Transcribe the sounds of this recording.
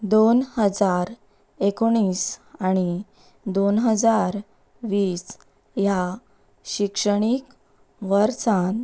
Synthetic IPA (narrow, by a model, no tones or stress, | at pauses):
d̪onhəd͡zaɾ | ekoɽ̃iːsaɽ̃i | d̪onɦəd͡zaɾ | ʋiːs | ja | ɕikʂəɽ̃ik | ʋəɾt͡sãn